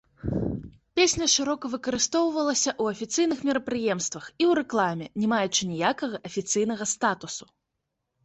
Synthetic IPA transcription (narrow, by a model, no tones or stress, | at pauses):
pʲesʲnʲɐʂɨɾɔkɐvɨkɐɾɨst̪ɔwvɐlˠɐsʲɐʔuɐfʲit̪sɨjnɨxmʲɛɾɐpɾɨjɛmst̪vɐxiwɾɛklˠamʲɛnʲɛmajut͡ʂɨnʲijakɐɣɐʔɐfʲit̪sɨjn̪ɐɣɐst̪at̪usu̥